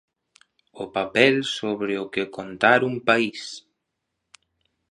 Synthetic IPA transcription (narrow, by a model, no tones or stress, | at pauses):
ʊpapɛlsoβɾeʊkekont̪aɾumpais